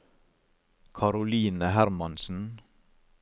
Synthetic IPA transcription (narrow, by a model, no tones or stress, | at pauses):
kʰɑɾʊliːnəhæɾmɑnsn̩